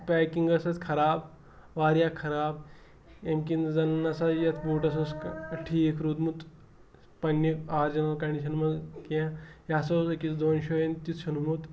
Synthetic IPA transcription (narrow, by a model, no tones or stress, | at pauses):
pɛːkiŋɡɐsɐt̪kʰɐɾaːb | ʋaːɾjaːkʰɐɾaːb | emkinzɐnnɐsajɐt̪ʰbuːʈɐs̬oskʈʰiːkʰɾud̪mut̪ | pɐnːikaːɾd͡ʒɐnɐlkɐɳɖiʃɐnmɐzkãjasoskit͡sd̪oːnʃoːɐnt̪it͡s̪ʃʰunmut̪